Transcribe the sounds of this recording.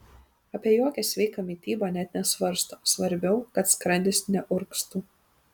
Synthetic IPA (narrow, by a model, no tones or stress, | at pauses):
ɐpʲiɛjoːkʲɛsʲʋʲɛɪkɐmʲit̪ʲiːbɑːnʲɛt̪ʲnʲɛsʋɐɾst̪oːsʋɐɾʲbʲɛʊkɐt̪skɾɐnʲd̪ʲɪsnʲɛʔʊɾkst̪uː